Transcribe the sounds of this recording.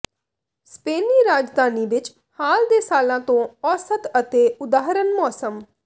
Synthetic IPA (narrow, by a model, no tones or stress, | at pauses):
speːniːɾaːd͡ʒd̪ʱaːniːʋɪt͡ʃ | haːld̪eːsaːlãːt̪õːɔːsət̪ət̪eːʊd̪aːɦɾənmɔːsəm